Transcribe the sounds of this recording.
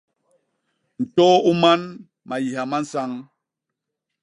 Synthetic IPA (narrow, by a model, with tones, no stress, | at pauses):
n̩˨tɔ˦u˦ma˦n | ma˨ji˨ɦa˨ma˦n̩˦sa˦ŋ